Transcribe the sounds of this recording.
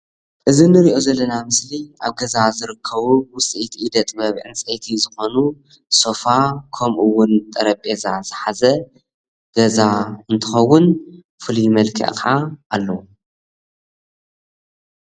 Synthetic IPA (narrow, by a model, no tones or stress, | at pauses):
ʔɨzinɨɾiʔo̞zɐlːɐnamɨsliʔa̰βɡɐzazɨɾɨkʰːɐβuwʊsʼiʔit̪ʰiʔid̪ɐt̪ʼbɐβʕɨ̰nt͡sʼet̪ʰizɨxo̞nu | so̞fakʰɐmʔuwːʊnt̪ʼɐɾɐpʼezazɨħazɐ | ɡ̥ɐzaɨnt̪ʰɨxɐwːʊn | fɨlijmɐlkʰɐ̰ʔkʰʕaʔalːɐwu